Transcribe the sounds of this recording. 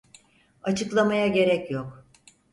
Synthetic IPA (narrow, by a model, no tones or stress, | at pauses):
at͡ʃʰɯklˠamajaɟe̞ɾɛcjok